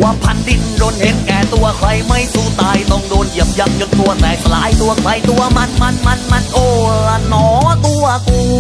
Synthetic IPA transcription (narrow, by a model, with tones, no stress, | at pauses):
wa˧˩pʰːa˧˥ndi˧nɾoː˧nhe˨˦nkɛː˨˩t̪u˧ɐkʰɾa˧jma˥˩jsuː˧˩t̪aː˧jt̪ɔ˧˩ŋdoː˧ni˨˩əp̚ja˧˩ŋ̚t͡ɕo˧nt̪u˧ɐt̪ɛː˨˩k̚sa˧laː˨˦jt̪u˧ɐkʰla˨˧˥jt̪u˧ɐma˧˥˨nma˧˩nma˧˥nma˧˥˨nʔoː˧˩la˧˩nɔː˨˩˦t̪u˧ɐkuː˧